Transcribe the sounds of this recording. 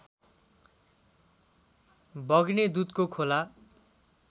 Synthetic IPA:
bʌɡned̪ut̪kokʰola

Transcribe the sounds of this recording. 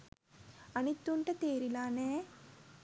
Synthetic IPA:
ɐnit̪ːuɳʈɐt̪eːɾilaːneː

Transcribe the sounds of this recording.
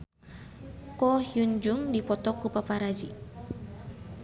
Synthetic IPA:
kɔhjuɲd͡ʒuŋdipɔt̪ɔkupapaɾad͡ʒi

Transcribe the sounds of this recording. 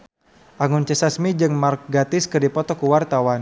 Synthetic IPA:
ʔaŋʊnt͡ʃəsasmid͡ʒɨŋmark̚ɡat̪ɪskədipɔt̪ɔkəwart̪awan

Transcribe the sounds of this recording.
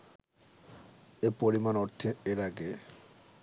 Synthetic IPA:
epoɾimanoɾt̪ʰeeɾaɡe

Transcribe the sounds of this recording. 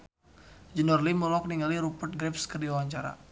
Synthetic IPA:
d͡ʒənɔrliməlɔk̚niŋɡaliɾupərt̪̚ɡɾɛpskərdiawaɲt͡ʃaɾa̰

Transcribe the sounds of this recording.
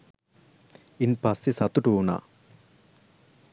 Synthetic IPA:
inpɐsesɐt̪uʈuːɳa̰

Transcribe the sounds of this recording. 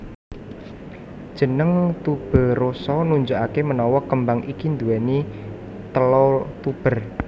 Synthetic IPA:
d̥ʒ̥ə̤nəŋt̪ub̥ə̤rosɔnuɲd͡ʒuʔakemənɔwɔkəmbaŋʔikind̪uwɛni | t̪əlot̪ub̥ə̤r

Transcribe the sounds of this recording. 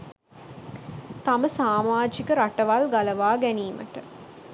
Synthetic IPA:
t̪aməsaːmaːd͡ʒikəɾaʈəʋalɡaləʋaːɡæniːmə̰ʈə

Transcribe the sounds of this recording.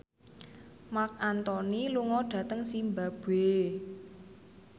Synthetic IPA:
mak̚ant̪ɔniluŋɔɖ̥ä̤t̪əŋsimbab̥e

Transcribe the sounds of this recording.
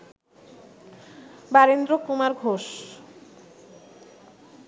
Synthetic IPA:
baɾend̪ɾokumaɾɡʱoʃ

